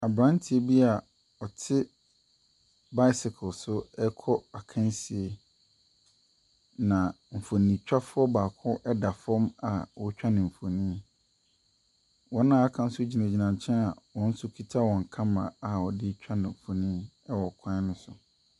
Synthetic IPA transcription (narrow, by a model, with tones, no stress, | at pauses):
a˨bɾã˦n˦tʰɪ˨e˦bi˦a˨ | ɔ˨tʰɪ˦ | ba˦ɪ˦sɪ˨kʰʊ˨lsʊ˦ɛ˦kʰɔ˦a˨kʰã˦n˦si˨e˨ | nã˨ | m̩˨fo˨nĩ˨t͡ɕᶣa˦fʊ˦ɔ˦baː˨kʰʊ˦ʔɛ˦da˨fɔ̃˦ma˨wɔ˦t͡ɕᶣa˦nɪ̃˨m̩˨fo˨nĩː˦ | wɔ̃˦nã˦a˦kʰã˦n̩˦sʊ˦d͡ʑi˨nã˨d͡ʑi˨nã˨ɲ˨t͡ɕʰɛ̃˦na̰˨wɔ̃˦n̩˦sʊ˦kʰi˦tʰa˦wɔ̃˨ŋ̩˨kʰã˦mã̰˨a˨ɔ˨dɪ˦t͡ɕᶣa˦nɪ̃˨m̩˨fo˨nĩ˦ | ɛ˦wɔ˨kʰã˦nʊ̃˦sʊ˨